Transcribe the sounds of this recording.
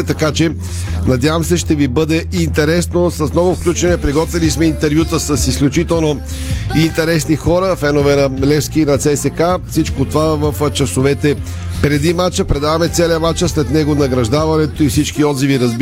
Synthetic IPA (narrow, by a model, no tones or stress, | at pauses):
ɛt̪ɐkat͡ʃɛ | nɐd̪javəmsɛʃt̪ɛvibɤd̪ɛint̪ɛɾɛsnosɐsnɔvʊfklʲut͡ʃɛnɛpɾiɡɔt̪vilismɛint̪ɛɾvjut̪əsɐsisklʲut͡ʃit̪ɛlˠno | int̪ɛɾɛsnixɔɾəfɛnovɛnɐlɛfskinɐt̪sɛsɛkafsit͡ʃkot̪ovavəft͡ʃɐsovɛt̪ɛ | pɾɛd̪imat͡ʃəpɾɛd̪avɐmɛt̪sɛlɛəmat͡ʃəslɛt̪nɛɡonɐɡɾɐʒd̪avɐnɛt̪oifsit͡ʃkiɔd̪ziviɾɐzb